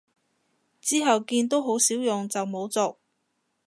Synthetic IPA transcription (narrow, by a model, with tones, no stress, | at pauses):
t͡siː˥ɦɐ˨wkiː˧nt̪o˥wɦo˨˥wsiː˨˥wjʊ˨ŋt͡sɐ˨wmo˨˥wt͡soː˨k̚